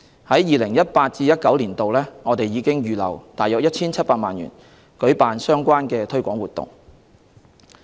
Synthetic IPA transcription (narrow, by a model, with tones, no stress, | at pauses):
hɐ˨˥jːiː˨˧lɪ˨˩ŋjɐ˥t̚paː˧t̚t͡siː˧jɐ˥t̚kɐ˨˥wliː˨˩nt̪o˨wlɛː˥ŋɔː˨˧t̪e˨jːiː˨˧kɪ˥ŋjyː˨lɐ̰˨˩wt̪aː˨jœː˨˥k̚jɐ˥t̚t͡sʰiː˥nt͡sʰɐ˥t̚paː˧t̚maː˨˩nɥy̰ː˨˩n | kɵ˨˥ɥpaː˨nsœː˥ŋkʷaː˥nkɛː˧t̪ʰɵ˥ɥkʷɔː˨˥ŋwuː˨˩t̪ʊ̰˨ŋ